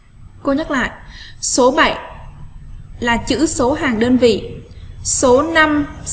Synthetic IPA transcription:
ko˧ɲə˦˥t̚la̰ː˧˨jso˨˦ɓa˧˩j | laː˨˩t͡ɕɨ̰˧˥so˨˦ɦaː˨˩ŋɗəː˧nvḭ˧˨ | so˨˦na˧m

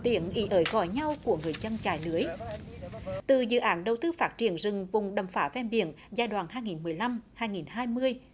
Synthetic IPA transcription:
t̪i˧˩ənʔḭ˨˦ʔəː˨˦jɣɔ̰˧˨jɲa˧wku˧˩əŋɨ˨˩əjzə˧nt͡ɕa̰ː˧˩jlɨ˨˦əj | t̪ɨ˧˨˩zɨ̰˧˨ʔaː˨˦nɗə˨˩wt̪ɨ˧faː˦˥t̚t͡ɕi˧˩ənzɨ˨˩ŋvʊ˨˩ŋ͡mɗə˨˧˩mfaː˧˥vɛ˧mɓḭ˧˨ən | zaː˧jɗwa̰ː˧˨nhɦaː˧jŋi˨˩nmɨ˨˩əjla˧mhaː˧jŋi˨˩nhaː˧jmɨ˧əj

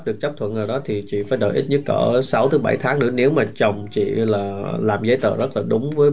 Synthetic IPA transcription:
ɗɨ˨˩ək̚t͡ɕa˦˥pt̪ʰə˧˨nzəː˨˩ɗɔ˨˦t̪ʰi˨˩t͡ɕḭ˧˨faː˧˩˦jɗə̰ː˧˩ʔi˦˥t̚ɲə˦˥t̚kə̰ː˧˩sa˨˦wt̪ɨ˨˦ɓa˧˩jt̪ʰaː˨˦ŋnɨ̰˧˥əne˨˦wmaː˨˩t͡ɕə˨˩wŋ͡mt͡ɕḭ˧˨laː˨˩laː˨˩mzə˨˦jt̪ə̰ː˧˨zə˦˥t̚laː˨˩ɗʊ˨˦ŋ͡mvəː˨˦j

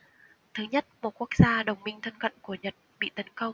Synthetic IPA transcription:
t̪ʰɨ˨˦ɲə˦˥t̚mo˨˩t̚ku˦˥ək̚zaː˧ɗə˨˩wŋ͡mmï˧ŋ̟t̪ʰə˧nkə̰˧˨nku˧˩əɲə˨˩t̚ɓḭ˧˨t̪ə˨˦nkə˧wŋ͡m

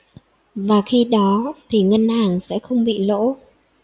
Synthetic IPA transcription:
vaː˨˩xi˧ɗɔ˨˦t̪ʰi˨˩ŋə˧nhaː˨˩ŋsɛ̰˧˥xə˧wŋ͡mɓḭ˧˨lo̰˧˥

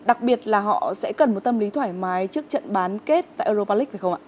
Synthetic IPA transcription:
ɗa˨˩k̚ɓi˨˩ət̚laː˨˩ɦɔ̰˧˨sɛ̰˧˥kə˨˩nmo˨˩t̚t̪ə˧mli˨˦t̪ʰwaː˧˩jmaː˨˦jt͡ɕɨ˦˥ək̚t͡ɕə̰˧˨nɓaː˨˦nke˦˥t̚t̪a̰ː˧˨jʔəː˧zo˧paː˧li˦˥k̚va˨˩xə˧wŋ͡mʔa̰ː˧˨

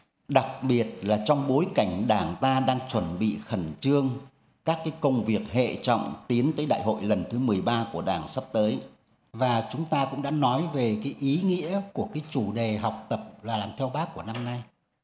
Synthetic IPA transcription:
ɗa˨˩k̚ɓi˨˩ət̚laː˨˩t͡ɕɔ˧wŋ͡mɓo˨˦jka˧˩jŋ̟ɗaː˧˩ŋt̪aː˧ɗaː˧ŋt͡ɕwə˧˩nɓḭ˧˨xə˧˩nt͡ɕɨ˧əŋ | kaː˦˥kːaː˨˦jkə˧wŋ͡mvi˨˩ək̚hḛ˧˨t͡ɕɔ̰˧˨wŋ͡mt̪i˨˦ənt̪əː˨˦jɗa̰ː˧˨jɦo̰˧˨jlə˨˩nt̪ʰɨ˨˦mɨ˨˩əjɓaː˧ku˧˩əɗaː˧˩ŋsa˦˥p̚t̪əː˨˦j | vaː˨˩t͡ɕʊ˨˦ŋ͡mt̪aː˧kʊ̰˧˥ŋ͡mɗa̰ː˧˥nɔ˨˦jve˨˩kaː˨˦jʔi˨˦ŋḭ˧˥əku˧˩əkaː˨˦jt͡ɕu˧˩ɗe˨˩ɦa˨˩wk͡p̚t̪ə˨˩p̚laː˨˩laː˨˩mt̪ʰɛ˧wɓaː˦˥kːu˧˩əna˧mna˧j

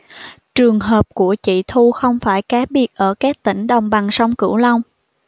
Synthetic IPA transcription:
t͡ɕɨ˨˩əŋɦəː˨˩p̚ku˧˩ət͡ɕḭ˧˨t̪ʰu˧xə˧wŋ͡mfaː˧˩jkaː˨˦ɓi˨˩ət̚ʔəː˧˩kaː˦˥k̚t̪ï˧˩ŋ̟ɗə˨˩wŋ͡mɓa˨˩ŋsa˧wŋ͡mkɨ̰˧˩wlə˧wŋ͡m

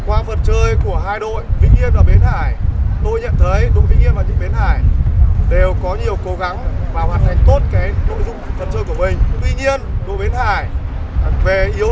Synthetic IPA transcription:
kwaː˧fə˨˩t̚t͡ɕəː˧jku˧˩əɦaː˧jɗo̰˧˨jvḭ˧˥ŋ̟ʔi˧ənvaː˨˩wɓe˨˦nhaː˧˩jt̪o˧jɲə̰˧˨nt̪ʰə˨˦jɗo̰˨˧˨vḭ˧˥ŋ̟ʔi˧ənvaː˨˩t͡ɕḭ˧˥ŋɓe˨˦nhaː˧˩jɗe˨˩wkɔ˨˦ɲi˨˩əwko˨˦ɣa˨˦ŋvaː˨˩whaː˨˩nt̪ʰa˨˩jŋ̟t̪o˦˥t̚kaː˨˦˧zʊ̰˧˨ŋ͡mfə˨˩n̚t͡ɕəː˧jku˧˩əmï˨˩ŋ̟t̪wi˧ɲi˧ənɗo̰˧˨ɓe˨˦nhaː˧˩j | ve˨˩ʔi˨˦əw

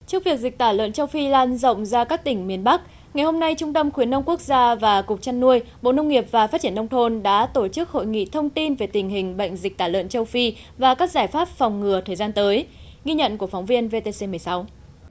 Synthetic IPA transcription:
t͡ɕɨ˦˥ək̚vi˨˩ək̚zï˨˩k̚t̪aː˧˩lə̰˧˨nt͡ɕə˧wfi˧laː˧nzə̰˧˨wŋ͡mzaː˧kaː˦˥k̚t̪ï˧˩ŋ̟mi˨˩ənɓa˦˥k̚ | ŋa˨˩jho˧mna˧jt͡ɕʊ˧ŋ͡mt̪ə˧mxwi˨˦ənːə˧wŋ͡mku˦˥ək̚zaː˧vaː˨˩kʊ˨˩k͡pk̚t͡ɕa˧nːu˧əjɓo̰˧˨nə˧wŋ͡mŋi˨˩əp̚vaː˨˩fa˦˥t̚t͡ɕi˧˩ənə˧wŋ͡mt̪ʰo˧nɗa̰ː˧˥t̪o˧˩t͡ɕɨ˦˥k̚ho̰˧˨jŋḭ˧˨t̪ʰə˧wŋ͡mt̪i˧nve˨˩t̪ï˨˩ŋ̟ɦï˨˩ŋ̟ɓə̰˧˨jŋ̟zi˨˩k̟̚t̪aː˧˩lə̰˧˨nt͡ɕə˧wfi˧ | vaː˨˩kaː˦˥k̚zaː˧˩jfaː˦˥p̚fɔ˨˩wŋ͡mŋɨ˨˩ət̪ʰəː˨˩zaː˧nt̪əː˨˦j | ɣi˧ɲə̰˧˨nku˧˩əkfa˨˦wŋ͡mvi˧ənve˧t̪e˧se˧mɨ˨˩əjsa˨˦w

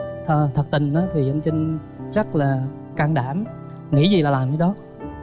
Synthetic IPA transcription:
t̪ʰə˧˩t̪ʰə˨˩k̚t̪ï˨˩ŋ̟ʔaː˨˦t̪ʰi˨˩ʔa˧ŋ̟t͡ɕï˧ŋ̟ | zə˦˥t̚laː˨˩ | kaː˧ŋɗaː˧˩m | ŋḭ˧˥zi˨˩laː˨˩laː˨˩mkaː˨˧˦jɗɔ˨˦

